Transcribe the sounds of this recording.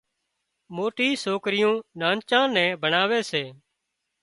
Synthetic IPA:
moːʈiːsoːkɾɪjõːnãːnt͡ʃãːnɛ̃ːbʱənaːʋeːseː

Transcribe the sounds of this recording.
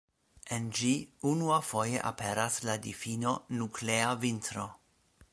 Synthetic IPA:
end͡ʒiunuafo̞je̞̰ʔa̰pe̞ɾasladifino̞nukʰleavintɾo̞

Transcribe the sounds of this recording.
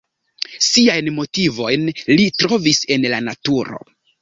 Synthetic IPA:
siajnmo̞tivo̞jnlitɾo̞vise̞nlanatuɾo̞̰

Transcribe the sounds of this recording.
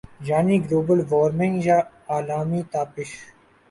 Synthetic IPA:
d͡ʒaːniːɡloːbəlʋoːɾmɪ̃ŋd͡ʒaː | aːlaːmiːt̪aːpɪʃ

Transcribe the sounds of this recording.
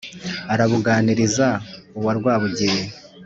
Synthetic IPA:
aɾaβuɡaːniɾizauβwaɾɡwaːβuɟie

